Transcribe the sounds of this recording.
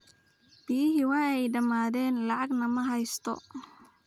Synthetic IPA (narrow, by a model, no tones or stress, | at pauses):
b̥ijɪɦɪwɑːɛjɖɐmaːðɛːnlɑʕɑɡnɐmɐɦɐjst̪ʰɔ̰